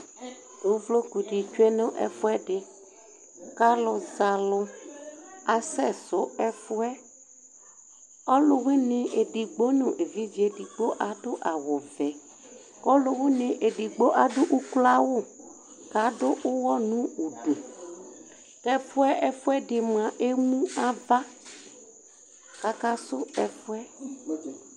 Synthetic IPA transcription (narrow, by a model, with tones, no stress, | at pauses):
d̥o˨˦vlo˦ku˨ɖi˨t͡ʃu˦e˦nʊ̃˦ʔɛ̰˦fʊ˦ɛ˦ɖɪ˦ | ka˦lʊ˨za˨lʊ˦ | a˨sɛ˦˨sʊ˨˦ɛ˦fʊ˦ɛ˦ | ɔ˦lʊ˦we˦nĩ˦ʔe˨ɖi˨ɡ͡bo˦nũ˨ʔe˨vi˦d͡ʒi˦e˨di˨ɡ͡bo˦ʔa˨ɖʊ˦ʔa˨wo˨vɛ˨ | ɔ˦lo˦we˦nɪ̃˨ʔe˨ɖi˨ɡ͡bo˦ʔa˨do˦ʔu˦kla˦wʊ˦˨ | ka˨˦ɖo˦ʔʊ˦wɔ˦nũ˦u˨ɖu˨ | tɛ˦fʊ˦ɛ˦ʔɛ˦fʊ˦ɛ˦ɖɪ˨m˨ã˨ʔe˦mũ˦a˦va˦ | ka˦ka˦sʊ˦ɛ˨fʊ˦ɛ˦